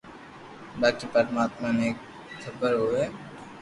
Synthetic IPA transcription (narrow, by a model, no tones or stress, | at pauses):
baːkipəɾmaːt̪maneːk | kʰəbəɾɦoɦɛː